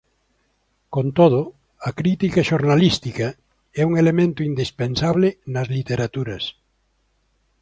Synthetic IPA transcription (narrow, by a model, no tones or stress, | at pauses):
kont̪oð̞ʊ | ɐkɾit̪ikɐʃoɾnalist̪ikɐ | ɛuŋelemẽnt̪ʊind̪ispensaβlenɐzlit̪eɾat̪uɾɐs